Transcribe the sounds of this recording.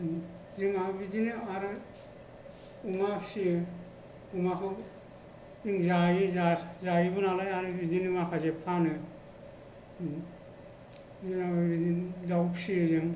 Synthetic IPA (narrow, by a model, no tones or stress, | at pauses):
zɯŋabidinɯaɾɯ | umapsiɯ | umakʰɯ | zɯŋzajɯzazajibɯnalajaɾɯbidinumakʰazepʰanɯ | ɯabiizawpsiɯzɯŋ